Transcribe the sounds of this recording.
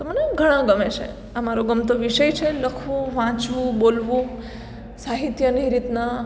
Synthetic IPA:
t̪oməneɡʱəɽ̃ãɡəmet͡ʃʰḛ | əmaɾoɡəmt̪̬oʋiʃəjt͡ʃʰeləkʰʋũʋãt͡ʃʋũbolʋũ | saɦit̪jəniɾit̪na

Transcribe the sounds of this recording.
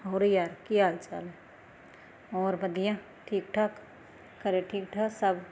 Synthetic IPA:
ɦoːɾjaːɾkiaːjt͡ʃa̰ːlẽ | ɔːɾbəd̪ʱijã | ʈʰiːk̚ʈʰək | kəɾeʈʰiːk̚ʈʰəsəb

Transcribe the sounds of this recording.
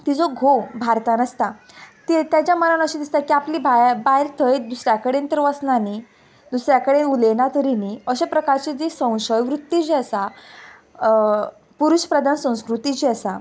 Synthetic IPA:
t̪id͡zoɡʱobʱaɾt̪anəst̪a | t̪it̪jat͡ɕjaməɾənəɕid̪ist̪akiapliːbʱajbaiɾt̪ʰəid̪usɾjakəɽent̪əɾʋəsnani | d̪usɾjakəɽenulenat̪əɾiniəɕepɾəkaɾt͡ɕid͡zesə̃w̃ɕəjʋɾut̪ːit͡ɕiəsa | puɾuɕpɾəd̪ʱansə̃w̃skɾut̪it͡ɕiəsa

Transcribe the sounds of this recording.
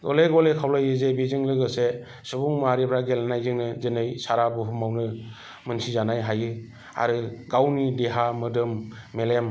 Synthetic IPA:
ɡɔleɡɔlekʰawlajɯzebizɯŋlɯɡɯse | subuŋmɾipʰɾaɡelanajzɯŋnɯzɯnɯjsaɾabɯɦumawnɯ | mɯnsizanajɦajɯ | a̰ɾɯɡawnideɦamɯdɯmːelem

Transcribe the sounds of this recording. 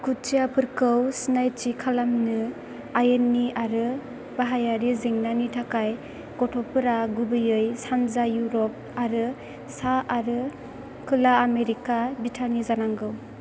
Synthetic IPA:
kʰut͡ʃijapʰɯɾkɯwsnajt͡ʃikʰalamnɯ | ajenːiʔaɾɯ | baɦajaɾiziŋnanitʰakaj | ɡ̥ɔtʰɔpʰɯɾaɡubɯjɯjsanzajuɾɔp̚aɾɯ | saaɾɯ | kʰɯlaːmeɾikabitʰanizanaŋɡɯw

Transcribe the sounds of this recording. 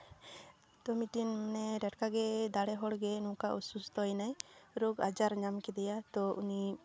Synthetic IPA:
t̪ɔmiʈinmnɛɾɛʈkaɡɛd̪aɽɛɦɔɽɡɛnũkaʔusust̪ɔjnajɾɔɡad͡ʒaɾɲamkɛd̪ɛjat̪ɔʔuni

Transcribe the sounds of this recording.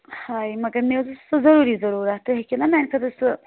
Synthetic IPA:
haːimɐɡɐɾmed̪ust̪ozɐɾuːɾizɐɾuːɾat̪uɦekinamɛːnkʰɐd̪əst̪

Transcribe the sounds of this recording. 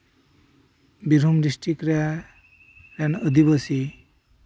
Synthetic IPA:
biɾumɾisʈikɾa | ɾjanəd̪ibəsi

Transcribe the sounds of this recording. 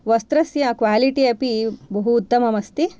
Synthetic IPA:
ʋɐst̪ɾɐsjɐkʋaːliʈiɐpibɐɦuːt̪ːɐmɐmɐst̪i

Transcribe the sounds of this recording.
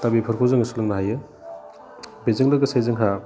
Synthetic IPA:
tabipʰɐɾkʰozaŋɐsulɯŋnaɦajɯ | bezɯŋlɯɡɐsajzaŋɦa

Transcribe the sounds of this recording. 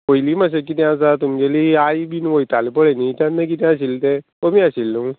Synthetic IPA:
kojliːmaɕ̬ekit̪jãt͡sat̪umd͡ʑeliajbiːnʋojt̪alepəɭenit̪ãnːəkit̪jãəɕilt̪e | omiːaɕilːu

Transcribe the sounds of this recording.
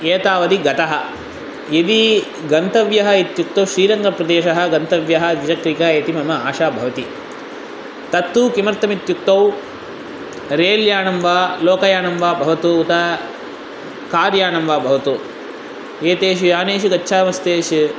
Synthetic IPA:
eːt̪aːʋɐd̪iɡɐt̪ɐɦɐ̆ | id̪i | ɡɐnt̪ɐʋjɐɦɐit̪juk̚t̪ɐwʃɾiːɾɐŋɡɐpɾɐd̪eːʃɐɦɐ̆ɡɐnt̪ɐʋjɐɦɐ̆ʋid͡ʒɐkɾikɐɦɐeːt̪imɐmɐaːʃaːbʱɐʋɐt̪i | t̪ɐt̪ːukimɐɾt̪ɐmit̪juk̚t̪ɐw | ɾeːljaːnɐmʋaːloːkɐjaːnɐmʋaːbʱɐʋɐt̪uːt̪ɐ | kaːɾjaːnɐmʋaːbʱɐʋɐt̪uː | eːt̪eːʃ̬ijaːneːʃuɡɐtːʃʰaːmɐst̪eːʃ

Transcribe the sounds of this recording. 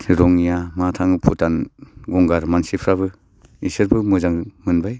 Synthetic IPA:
ɾɔŋijamatʰaŋɯpʰutanɡɔŋɡaɾmansipʰɾaβɯ | isɯɾbɯmɯzaŋmɯnbaj

